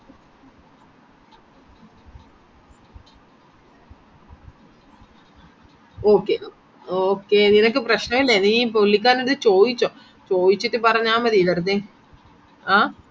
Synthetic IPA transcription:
oːkːe | oːkːeːninɐk̬ːɨprɐɕnɐmilːɐnːipolːik̬ʲːaːneɽɨðɨt͡ɕo̞ːðit͡ɕːõː | t͡ɕoːjit͡ɕːiʈːɨpɐrɐɲːaːmɐðiʋɐrt̪e | a

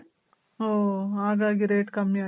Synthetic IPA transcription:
oːaːɡaːɡiɾeːʈkɐmːia

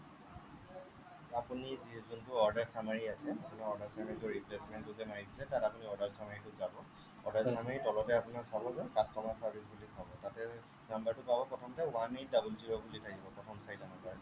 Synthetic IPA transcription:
apunizizuntʊɔɹdaɹsamaɹiasɛapunaɔɹdaɹsamaɹituɹiplesmɛntdutɛmaɹisilɛtatapuniɔɹdaɹsamaɹitʊzabɔ | ɔɹdaɹsamaɹitɔlɔtɛapʊnasabɔzɛkastɔmasaɹbʱisbulisabɔtatɛ | nambaɹtʊpabɔpɔtʰamatɛwanej̚dabultiɹɔbulitʰakibɔpɹɔtʰɔmsajtanɔkaɹ

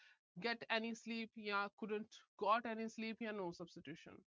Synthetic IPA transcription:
ɡɛʈɛnisliːpjakʊɖə̃ɳʈɡɔːʈɛnisliːpjanoːsʌb̥sʈiʈjuːʃə̰̃n

